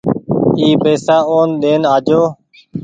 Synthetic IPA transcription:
iːpeːsaːoːnɗ̪eːnaːd͡ʒoː

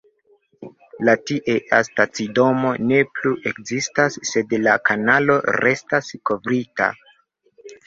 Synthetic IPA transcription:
latiʔeʔastat͡sido̞mo̞ne̞pluʔe̞kzistasːe̞dlakanalo̞ɾe̞stasko̞vɾita̰

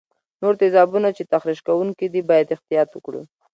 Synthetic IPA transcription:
noɾt̪ɪzɑbunat͡ʃet̪axɾiʃkawuŋkid̪ibɑjad̪ɪxt̪ijɑt̪wəkɽḭ

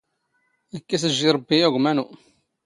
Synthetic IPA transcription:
ækːæsəʒːiɾˤəbːijæɣʷmænu

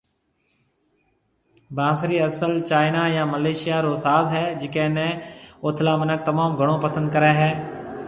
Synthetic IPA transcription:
bãːsɾiːəsəlt͡ʃaːɪnaːjãːməleːʃɪjaːɾoːsaːzɦɛːd͡ʒɪkẽːnẽːoːt̪ʰlaːmənək̚t̪əmaːmɡʱəɽ̃õːpəsə̃nd̪̚kəɾeːɦɛː

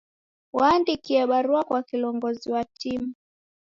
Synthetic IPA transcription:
waːndikiɛɓaɾuakwakilɔŋɡɔziwatʰimu

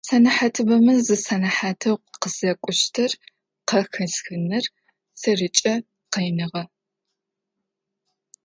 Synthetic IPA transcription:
sɐnɐħatʰɨbɐmɨzɨsɐnɐħaːtʰɐwqəzɐkʷʼʊʃtʰɐr | qɐxɨsxɨnɨr | sɐrɨt͡ʃʼɐ | qejnɨʁɐ

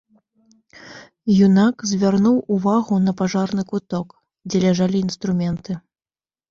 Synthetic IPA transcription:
junakzʲvʲarnuwuvaɣunɐpaʐarnɨkut̪ɔk | d͡zʲɛlʲaʐalʲiːnst̪ɾumʲɛnt̪ɨ

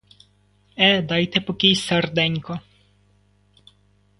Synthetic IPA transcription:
ɛd̪ɑjt̪ɛpɔkʲijsɛrd̪ɛɲʲkɔ

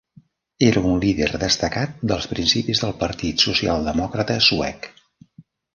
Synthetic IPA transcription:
eɾəunliðerðəst̪əkat̪̚d̪əlˠspɾinsipizðəlˠpəɾt̪it̪susia̰lˠd̪əmɔkɾət̪əsuɛ̰k

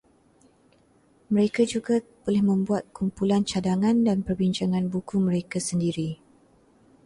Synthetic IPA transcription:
məɾekad͡ʒuɡab̥olɛhmə̃mbuat̪̚kumpulant͡ʃadaŋãndanpərbint͡ʃaŋãnbukuməɾekasəndiɾi

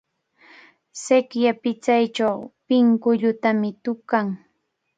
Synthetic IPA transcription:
sekjapɪt͡sajt͡ʃawpɪŋkʊʎʊt̪amɪt̪ʊkaŋ

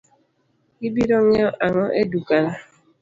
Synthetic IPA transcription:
ibiɾɔŋɔʔaŋɔʔedukana

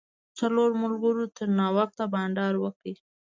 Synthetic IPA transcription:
t͡saloɾmʊlɡəɾot̪əɾnɑwaxt̪abɑnɖɑɾwəki

